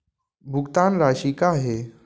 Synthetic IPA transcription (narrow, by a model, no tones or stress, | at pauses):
bʱʊɡt̪anɾaːʃikaɦe